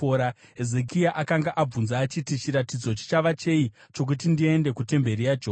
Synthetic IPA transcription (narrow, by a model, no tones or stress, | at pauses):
oɾaɦeze̞kiaʔakaŋɡaʔab͡vunzaːt͡ʃitit͡ʃiɾatid͡zo̞t͡ʃe̥t͡ʃaʋat͡ʃe̞it͡ʃo̞k̬ut̬indie̞nde̞kute̞mbe̞ɾijad͡ʒoː